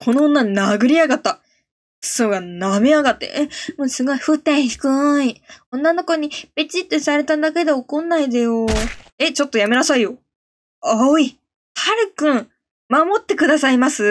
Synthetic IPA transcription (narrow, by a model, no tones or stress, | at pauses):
kʰo̞nõːnːanaɡɯ̟ɾʲiaɡat̪ːa | soɡaname̞aɡat̪ːḛemo̟sɨɡo̞iɸɯ̟t̪ːẽɰ̃çi̥kɯ̟iõ̞nːano̞ko̞ɲ̟ib̥e̞t͡ɕit̪ːosaɾe̞t̪and̪ake̞d̪e̞okõ̞nːaid̪ajo̞e̞t͡ɕo̞t̪ːojame̞nasaijo̞ | oi | haɾɯ̟kɯ̟̃ɴ | mamo̞t̪ːe̞kɯ̟d̪asaimasɨ